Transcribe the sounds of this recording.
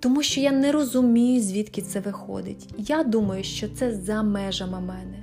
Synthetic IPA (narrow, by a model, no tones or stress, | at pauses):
t̪ɔmuʃt͡ʃɔjanɛɾɔzʊmʲijʊzʲʋʲit̪kʲɪt̪sɛʋɪxɔ̰d̪ɪtʲjad̪umɐjʊʃt͡ʃɔt̪sɛzɐmɛʒɐmɐmɛnɛ